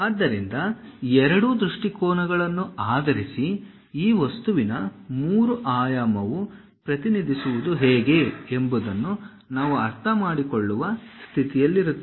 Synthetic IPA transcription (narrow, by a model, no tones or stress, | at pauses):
aːd̪ːɐɾind̪ɐɛɾɐɽud̪ɾuʂʈikɔːnɐɡɐɭɐnːuaːd̪ɐɾisi | iːʋɐst̪uʋinɐmuːɾuʔaːjaːmɐʋu | pɾɐt̪inid̪ʱisuʋud̪uɦɛːɡe̞embud̪ɐnːu | naːʋuɐɾt̪ʰɐmaːɽikoɭːuʋɐst̪ʰit̪ijɐlːiɾut̪ːe